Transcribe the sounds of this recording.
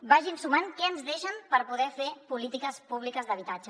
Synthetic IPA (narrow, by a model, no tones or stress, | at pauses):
baʒinsumaŋkɛənzðeʃəmpəɾpuðɛfepulit̪ikəspuβlikəzðəβit̪ad͡ʒə